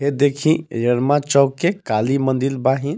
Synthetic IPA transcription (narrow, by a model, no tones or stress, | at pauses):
ɦed̪ekʰĩjəɽmãt͡ʃɔːkːekalimə̃nd̪ilbaɦĩn